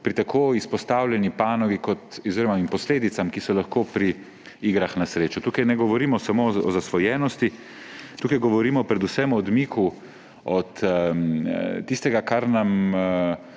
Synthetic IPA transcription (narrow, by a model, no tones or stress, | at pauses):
pɾit̪akʰoːispɔst̪aːwlʲjɛnipaːnɔɡikɔt̪ɔzeːɾɔmaimpɔsleːd̪it̪samkisɔlaxkoːpɾi | iːɡɾaxnasɾeːt͡ʃut̪uːkajnɛɡɔʋɔɾiːmɔsamoɔ̰zasʋɔjɛːnɔst̪i | t̪uːkajɡɔʋɔɾiːmɔpɾɛd̪usɛmɔːd̪miːkʰu | ɔt̪ | t̪ist̪ɛɡakaɾnam